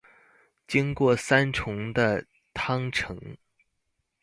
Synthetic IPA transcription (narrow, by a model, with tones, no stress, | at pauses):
t͡ɕi˥ŋkwɔ˥˩sa˥nʈ͡ʂʰʊ˧˥ŋd̪ə˧ | t̪ʰɑ˥ŋʈ͡ʂʰɤ˧˥ŋ